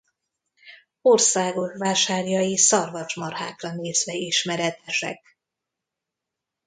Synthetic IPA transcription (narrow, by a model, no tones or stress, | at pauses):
orsaːɡo̞kʋaːʃaːrjɒjisɒrvɒt͡ʃmɒrhaːkrɒneːzʋɛiʃmɛɾɛt̪ɛʃɛ̰k̚